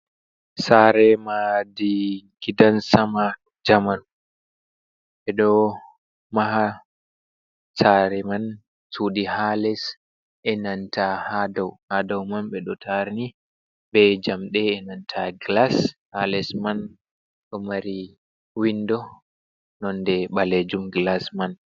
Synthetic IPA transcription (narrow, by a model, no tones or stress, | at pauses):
saɾɛmadiɡidansama | d͡ʒaman | ɓɛɗɔ | maɦa | saɾɛman | suɗihalɛs | ʔɛnantʰahadawhadawmanɓɛɗɔtʰaɾni | bɛd͡ʒamɗɛːnantʰaɡlashalɛsman | ɗɔmaɾi | windɔ | nɔndɛɓaled͡ʒumɡlasman